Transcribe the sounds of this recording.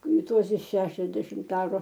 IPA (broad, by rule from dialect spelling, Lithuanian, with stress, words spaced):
ˈtuɔsʲɛ ˈʃʲæːʃʲɛzʲdʲɛʃʲɪmt ˈɑːrʊ